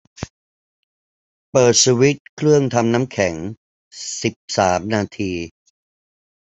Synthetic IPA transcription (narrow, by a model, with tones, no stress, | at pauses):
pɤː˨˩t̪̚suː˧wi˦˥t̪̚kʰɾɯ˥˩əŋt̪ʰa˧mna˦˥mkʰɛ˩˦ŋ | si˨˩p̚saː˩˦mnaː˧t̪ʰiː˧